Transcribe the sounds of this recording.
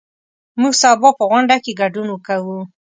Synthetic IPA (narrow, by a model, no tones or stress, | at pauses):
muɡsɑbɑpəɣwʊɳɖakeɡaɖunwəkawu